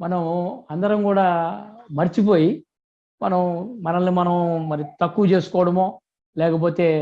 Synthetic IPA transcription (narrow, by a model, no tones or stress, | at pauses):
mɐnɐmɐnd̪ɐɾɐmkuːɽaːmɐɾit͡ʃip̬o̞ːji | mɐnɐmmɐnɐlnimɐnɐmmɐɾit̪ɐkːuʋɐt͡ʃe̞ːsu̥kɔːʋɐɽɐmoː | lɛːkɐp̬o̞ːt̪e̞ː